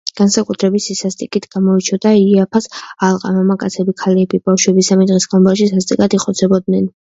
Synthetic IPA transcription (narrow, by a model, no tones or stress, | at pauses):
ɡ̥ansakʼut̪ʰɾɛbisisast̪ʼikʼit̪ʰɡ̥amɔit͡ʃʰɔd̪aiapʰasalˠqʼa̰mamakʼat̪sʰɛbikʰalɛbibafʃwɛbisamid̪ʁisɡanbaʃ̬isast̪ʼikʼat̪iqʼɔt̪sʰɛbɔd̪̚nɛn